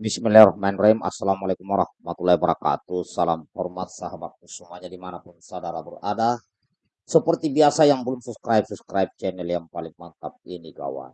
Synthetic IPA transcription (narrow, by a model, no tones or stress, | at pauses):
mismilɛɾɔhmaɛnraima̰salamalakumaɾahmat̪ulaibəɾaka̰t̪usalamhɔrmat̪̚saɦabat̪̚kusəmuaɲadimanapʊnsadaɾabərada | səpərt̪ibiasajaŋbəlʊmsupskɾajp̚suskɾajp̚t͡ʃɛnɛljaŋpalɪŋmant̪ap̚iniɡa̰wa̰